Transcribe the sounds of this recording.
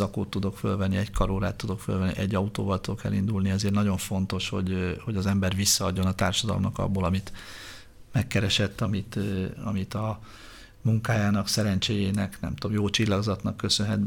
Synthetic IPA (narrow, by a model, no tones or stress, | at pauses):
ɒko̰ːt̪ːud̪o̞kfølvɛnːiɛɟkɒɾoːɾaːt̪ːud̪o̞kfølvɛnːḭʔɛɟːɒut̪oːvɒlt̪ud̪kɛ̰lːind̪ulniɛzeːrnɒɟo̞ɱfo̞nt̪o̞ʃho̞̰ɟho̞ɟɒzɛmbɛrvisːɒɒɟːo̞nɒt̪aːrʃɒd̪ɒlomnɒkɒ̰bːoːlɒmit̪ | mɛkːɛɾɛʃɛt̪ːɒmit̪ɒ̰mit̪ɒ | muŋkaːjaːnɒksɛɾɛnt͡ʃeːjeːnɛknɛ̰mt̪omjoːt͡ʃilːɒɡzɒt̪nɒkːøsønɦɛt̪̚